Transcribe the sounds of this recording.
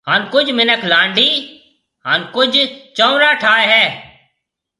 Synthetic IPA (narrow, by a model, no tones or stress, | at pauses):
haːnkʊd͡ʒmɪnəkʰlãːɳɖiː | ɦaːnkʊd͡ʒʱt͡ʃɔ̃ːɾaːʈʰaːeɦɛː